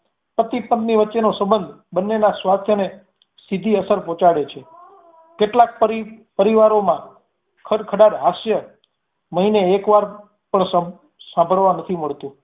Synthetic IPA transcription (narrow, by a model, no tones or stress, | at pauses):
pət̪ipənt̪niʋətːʃenosəbənd̪ʱ | bənːenasʋast̪ʰjəne | sid̪ʱiəsəɾpɔ̃t͡ʃaɽet͡ʃʰe | keʈlak̚pəɾipəɾiʋaɾomã | kʰəɾkʰəɽaɾɦasjə | məɦineːkʋaɾ | pəɳs | sãmbʱəɭʋãnət̪ʰiməɭt̪ũ